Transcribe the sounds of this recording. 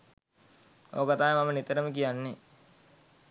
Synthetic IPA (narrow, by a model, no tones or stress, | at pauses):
oːkɐt̪aːjmɐmɐnit̪ɐɾɐmik̬ijanːi